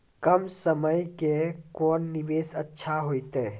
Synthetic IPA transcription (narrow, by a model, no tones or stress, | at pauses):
kəmsəməjkekɔːnːɪʋeːsətːʃʰaɦoːit̪eː